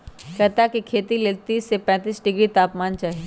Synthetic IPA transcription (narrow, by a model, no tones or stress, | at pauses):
kɐt̪akikʰeːt̪ileːlt̪iːsepɛ̃ːt̪iːsɖɪɡɾit̪aːpmaːnt͡ʃaːɦieː